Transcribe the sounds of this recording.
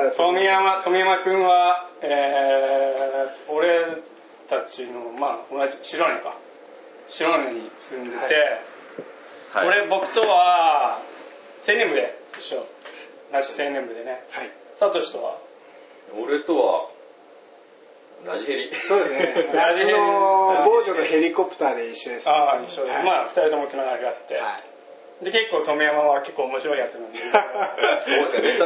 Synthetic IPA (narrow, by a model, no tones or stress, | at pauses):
t̪ʰomʲiamat̪omʲiamakɯ̟̃ɰ̃βae | oɾe̞ | t̪at͡ɕino̞maːonaʑiɕiɾonẽŋka | ɕiɾonnẽɲ̟isɨ̃nd̪e̞t̪e̞ | aoɾe̞bo̞kɯ̟̥t̪o̞βa | sẽ̞nembɯ̟d̪eiɕo | naisenẽ̞mbɯ̟d̪e̞neha | sat̪oɕi̥t̪o̞βa̰ | oɾet̪oβa̰ | ɾaʑiheɾʲisoːd̪esɨnɾaʑiheɾoiboːd͡ʑonohe̞ɾʲikopɯ̟t̪aːd̪e̞iɕːoesaiɕod̪maːɸɯ̟̥t̪aɾʲit̪o̞mot͡simaɡakiat̪ːea | d̪e̞ke̞kːo̞ːt̪o̞meamaβaβake̞kːoːmo̞ɕiɾo̞iat͡sɨmẽnd̪e | soese